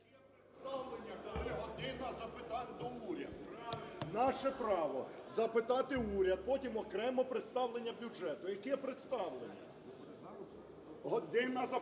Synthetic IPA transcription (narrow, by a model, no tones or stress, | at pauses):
st̪ɑwlˠenʲːɐkˠɦɔd̪ɪnɐzɐpɪt̪ɑnʲd̪ɔuɾʲɐ̰d̪ʊnɑʃɛpɾɑʋɔzɐpɪt̪ɑt̪ɪuɾʲɐd̪̚pɔtʲimɔkɾɛmɔpɾɪt̪st̪ɑwlˠe̞nʲːɐbʲud͡ʒɛt̪ʊjɐkɛɛpɾɪt̪st̪ɑwlˠḛnʲːɐ̰ | ɦɔd̪ɪnɐzɐ